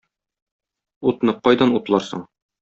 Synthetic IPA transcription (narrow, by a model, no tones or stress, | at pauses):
ut̪nɤqɒjd̪ɑnut̪lˠɑɾsɤ̰ɴ